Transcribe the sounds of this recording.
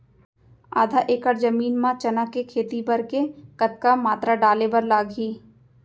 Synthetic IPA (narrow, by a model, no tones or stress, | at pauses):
aːd̪ʱaʔeːkəɾd͡ʒɐmiːnmãt͡ʃɐnakekʰeːt̪ibɐɾkekɐt̪̚kamaːt̪ɾaɖaːlebɐɾlaːɡɦiː